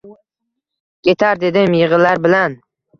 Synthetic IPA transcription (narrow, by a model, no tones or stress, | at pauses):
kʲʰe̞t̪ʰaɾd̪e̞d̪ɪmjɪʁɨlaɾbɪlan